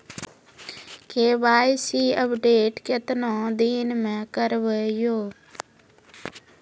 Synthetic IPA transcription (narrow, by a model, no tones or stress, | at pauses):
keːʋaːjsiːəpɖeːʈket̪nõːd̪iːnmẽːkəɾʋəjoː